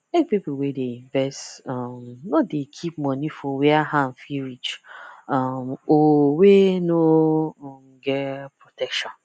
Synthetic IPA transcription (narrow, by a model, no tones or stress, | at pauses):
mek̚pipuwedeĩɱvɛstamnɔtdekʰip̚mɔ̃nifɔwɛahãnfiɹit͡ʃamowenoɔmɡɛpɹotʰɛkʃɔ̃n